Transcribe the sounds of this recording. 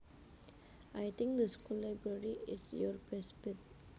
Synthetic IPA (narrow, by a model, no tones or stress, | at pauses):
ajt̪ɪ̃ŋk̚d̪əskɔlabɹaɹiɪsjɔɹbɛsbɪt̚